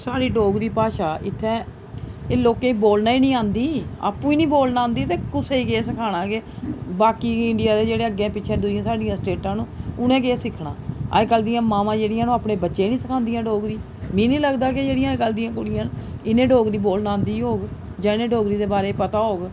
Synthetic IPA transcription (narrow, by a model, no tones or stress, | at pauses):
saːɽiːɖoːɡɾiːpaːʃaːʔɪ̰t̪ʰːɛ̃ː | eːloːkẽːiboːlnaːiːnĩːãːnd̪iːa̰ːpːũːiːnĩːboːlnãːnd̪iːt̪eːkʊseːiːkeːsəkʰaːɽ̃ãːkebaːkiːɪɳɖɪjaːd̪eːd͡ʒeːɽeːəɡːẽːpɪːt͡ʃʰeːd̪ʊd͡ʒɪãːsaːɖɪjãːsʈeːʈãːnũːʊnẽːkeːsɪkʰɽã̰ːə̰ːd͡ʒkəld̪ɪjãːmaːmãːd͡ʒeːɽɪjãːnũːaːpneːbətːʃeːnĩːsəkʰãːnd̪ɪjãːɖoːɡɾiː | mĩːnĩːləɡd̪aːkɪd͡ʒeːɽɪjãːkəld̪ɪjãːkʊɽɪjãːnɪnẽːɖoːɡɾiːboːlnãːnd̪iːɦoːɡ | d͡ʒãːɪnẽːɖoːɡɾiːd̪eːbaːɾeːpət̪aːɦoːɡ